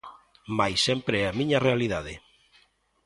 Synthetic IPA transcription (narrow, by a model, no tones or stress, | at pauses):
majsːempɾeɛamĩɲɐrealiðaðe